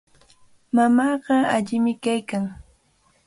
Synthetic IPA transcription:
mamɑːɢɑaʎɪmɪkajkaŋ

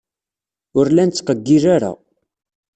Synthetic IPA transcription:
ʊɾlænt͡sːqəɡːiɾaɾa̰

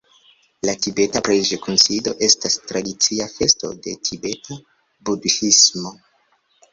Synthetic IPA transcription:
latibe̞tapɾeʒekunsido̞ʔe̞stastɾadit͡siafe̞sto̞̰de̞tʰibe̞ta | buduhismo̞

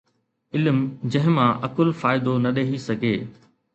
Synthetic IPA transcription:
ɪlmd͡ʑɐ̃ɦɪ̃mãʔɐkʊlfaːɪd̪onɐɗeɦisɐɡʱeː

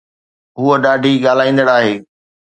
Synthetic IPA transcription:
ɦuəɗaːɖʱiɠaːl̤aːĩːnd̪əɽaːɦeː

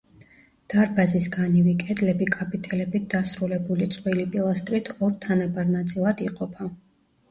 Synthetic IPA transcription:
d̪̥aɾbazisɡanivikʼɛd̪lɛbikʼapʰʼit̪ʰɛlɛbit̪̚d̪asɾulɛbulit̪sʼqʼwilipʼilˠast̪ʼɾit̪ʰɔɾt̪ʰanabaɾnat̪sʼilˠad̪iqʼɔpʰa

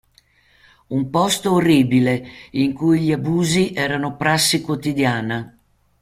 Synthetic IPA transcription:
umpɔst̪oːrːiːbileiŋkujʎiabuːziʔɛːɾanopɾasːikwot̪id̪jaːna

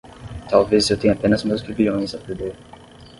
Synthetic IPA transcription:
t̪alvezewt̪ẽɲ̃apɛ̃nɐzmɐwspɾeviõj̃zɐpeɾd̪eɾ

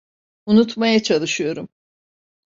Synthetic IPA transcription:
unut̪majat͡ʃʰalˠɯʃɯjo̞ɾum

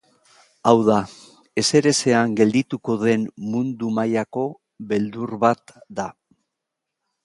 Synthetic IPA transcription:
awða | e̞se̞ɾe̞se̞aŋɡe̞ld̪it̪uko̞ðe̞nmund̪umajako̞ | βe̞ld̪uɾβat̪d̪a

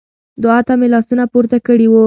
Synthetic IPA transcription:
d̪ʊat̪amelɑsunapuɾt̪akəɽiwu

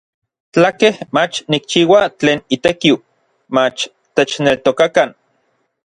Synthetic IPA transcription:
t͡ɬakehmat͡ʃnik̚t͡ʃiːwat͡ɬeːnit̪ekiw | mat͡ʃ | t̪et͡ʃnelt̪okakan

